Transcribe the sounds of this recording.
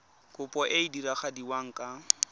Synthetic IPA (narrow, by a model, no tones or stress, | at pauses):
kʼʊpʼɔʔeidiɾaχadiwaŋ̩kʼa